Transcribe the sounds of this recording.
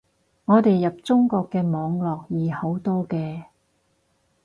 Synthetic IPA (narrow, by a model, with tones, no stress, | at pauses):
ŋɔː˨˧t̪e˨jːɐ˨p̚t͡sʊ˥ŋkɔː˧kːɛː˧mɔː˨˧ŋlɔː˨k̚jiː˨ho˨˥wt̪ɔː˥kɛː˧